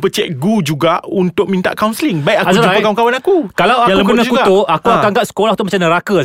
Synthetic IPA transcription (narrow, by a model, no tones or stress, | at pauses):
pət͡ʃɛk̚ɡud͡ʒuɡaʔunt̪ʊk̚mĩnt̪a̰ʔkawnslɪŋbaiaazaapəkauŋkawanakukalawajaləkənaukut̪uakuakaŋɡaʔ̚sə̥kolaht̪umat͡ʃamnə̃ɾakə